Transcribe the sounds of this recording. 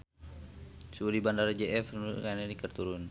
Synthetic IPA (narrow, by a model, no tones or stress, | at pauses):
suɾibandaɾd͡ʒɛɛfkanɛɾikərt̪uɾun